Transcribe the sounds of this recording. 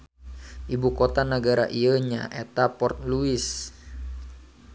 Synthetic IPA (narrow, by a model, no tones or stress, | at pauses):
ʔibukot̪anəɡaɾa̰ʔiəɲa̰ʔet̪apɔrt̪̚luɪs